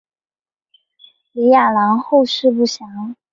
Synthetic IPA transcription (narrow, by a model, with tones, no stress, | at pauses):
li˧˥ja˥˩la˧˥ŋxo˥˧ʊʂɻ̩˥˧p̬u˥˩ɕjɑ˧˥ŋ